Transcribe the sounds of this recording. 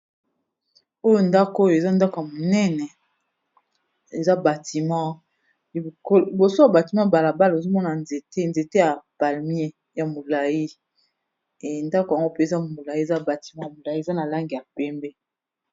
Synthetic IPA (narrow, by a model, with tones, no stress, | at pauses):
o˦jo˦nda˦ko˦jo˨e˨za˦nda˦ko˨ja˨mo˨nɛ˦nɛ˨ | e˨za˦ba˨ti˨mã˦ | i˨ko˦i˨bo˨so˦a˨ba˨ti˨mã˦˨ba˨la˨ba˦le˨zo˦mɔ˦na˨nze˨te˦nze˨te˦ja˨pa˨lm˦e˦ | ja˨mo˨la˨ji˦˨ | nda˦ko˨ja˨ŋɡo˦pe˦e˨za˦mo˨la˨ji˦e˨za˦ba˨ti̥˨mã˦ja˨mo˨la˨ji˦e˨za˦na˨la˦ŋɡi˨a˨pɛ˦mbɛ˦